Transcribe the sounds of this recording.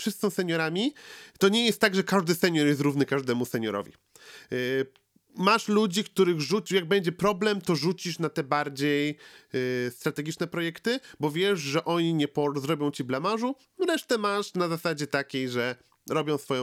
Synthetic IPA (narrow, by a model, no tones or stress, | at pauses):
fʂɨssɔ̃w̃sɛɲɔɾamʲit̪ɔɲɛjɛst̪ːaɡʐɛkaʐd̪ɘsɛɲɔɾjɛst̪ɾuvnɘkaʐd̪ɛmusɛɲɔɾɔ̰vʲḭ | maʂlud͡ʑikt̪uɾɘɣʐut͡ɕjaɡ̚bɛɲd͡ʑɛpɾɔblɛmt̪ɔʐut͡ɕiʂnat̪ɛbaɾd͡ʑej | st̪ɾat̪ɛɡʲit͡ʂnɛpɾɔjɛkt̪ɘbɔvʲjɛʐʐɛʔɔɲiɲɛpɔɾzɾɔbʲjɔ̃w̃t͡ɕiblamaʐu | ɾɛʂt̪ɛmaʂnazasad͡ʑɛt̪akʲejʐɛ | ɾɔbʲjɔ̃w̃sfɔjɔ̃